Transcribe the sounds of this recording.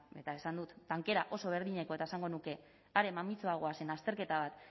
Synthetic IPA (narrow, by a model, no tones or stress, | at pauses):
e̞t̪ae̞sand̪ut̪d̪aŋke̞ɾaʔo̞so̞β̞e̞ɾðiɲe̞koe̞t̪aesaŋɡonuke̞ | aɾe̞mamit͡so̞aɣ̞o̞ase̞nast̪e̞ɾke̞t̪aβ̞at̪